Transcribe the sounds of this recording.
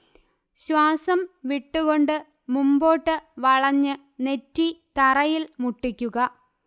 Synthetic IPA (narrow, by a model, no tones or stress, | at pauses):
ɕwaːsɐmʋiʈːuɣo̞ɳɖɨ | mumbo̞ːʈːɨʋɐɭɐɲːɨ | ne̞tːit̪ɐrɐjilmuʈːikʲːuɣɐ